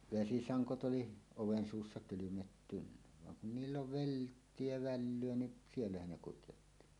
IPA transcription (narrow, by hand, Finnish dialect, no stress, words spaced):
ʋesisɑŋkot ʔoli oʋen suːsːɑ kylymetːynːæ ʋɑŋ kun niːlː oli ʋeltːie jɑ ʋælːyø ni sielːæhæn ne kutjotːi